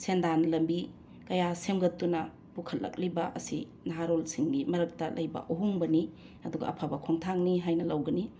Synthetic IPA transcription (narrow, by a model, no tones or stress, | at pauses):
sendanlɐmbi | kɐjasemɡɐtːunɐ | pukʰɐtlːɐ̰k̚libɐʔɐsi | naɦaɾolsiŋɡimɐɾɐk̚tɐlʔɐjbɐ̰ʔoɦuŋbɐni | ɐduɡɐ̰ʔɐpʰabɐkʰoŋtʰaŋniɦajnɐlɐwɡɐni